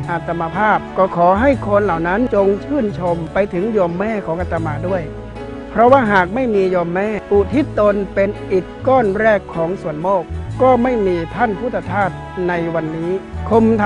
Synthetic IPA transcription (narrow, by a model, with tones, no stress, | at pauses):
ʔa˧˩t̪ʰːa˧mːa˧pʰaː˥˩p̚kɔː˧˩kʰɔː˩˦ɦa˥˩jkʰo˧nlaː˨˩wna˦˥nt͡ɕo˧ŋt͡ɕʰɯː˥˩nt͡ɕʰo˧mpa˧jt̪ʰɯ˩˦ŋjɔː˧mːɛː˥˩kʰɔː˩˦ŋʔa˧t̪ʰːa˧maː˧du˥˩əj | pʰɾɔ˦˥waː˥˩ɦaː˨˩k̚ma˥˩jmiː˧jɔː˧mːɛː˥˩ʔuː˨˩t̪ʰi˦˥t̪o˧npe˧nʔi˨˩t̪̚kɔː˥˩nɾɛː˥˩kʰːɔː˩˦ŋsu˨˩ənmoː˥˩k̚ːɔː˥˩ma˥˩jmiː˧t̪ʰa˥˨npʰuː˥˩t̪ʰːa˧t̪ʰaː˥˩t̪̚na˧jwa˧nːiː˦˥kʰo˧mt̪ʰ